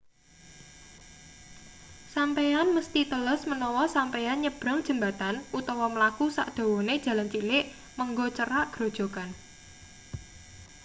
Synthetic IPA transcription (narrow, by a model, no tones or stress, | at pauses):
sampejanməst̪it̪ələsmənɔwɔsampejanɲəb̥ɾa̤ŋd̥ʒ̥ə̤mbat̪anʔut̪ɔwɔməlakusa̰ʔd̪̥o̤woned̥ʒ̥ä̤lant͡ʃilɪʔ | məŋɡɔt͡ʃəɾaʔɡ̥ɾo̤d̥ʒ̥o̤kan